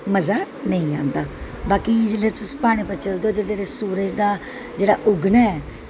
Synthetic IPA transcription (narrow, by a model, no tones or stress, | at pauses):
məzaː | nəĩːãːnd̪aː | baːkiːd͡ʒəleːt̪ʊspaːɽ̃iːpət͡ʃəld̪oːd͡ʒed͡ʒeːɽeːsuːɾəd͡ʒd̪aː | d͡ʒeːɽaːʔʊɡnaːɛː